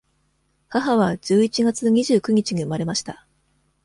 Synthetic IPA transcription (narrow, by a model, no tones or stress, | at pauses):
haɦaβ̞ad͡ʑɨːit͡ɕiɡat͡sɨɲ̟iʑɨːkɯ̟ɲ̟it͡ɕiɲ̟iɯ̟maɾe̞maɕi̥t̪a